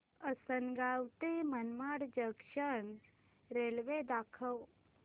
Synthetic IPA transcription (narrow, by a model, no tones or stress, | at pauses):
əsənɡaːwt̪emənmaːɽd͡ʒəkʃən | ɾelʋed̪aːkʰəw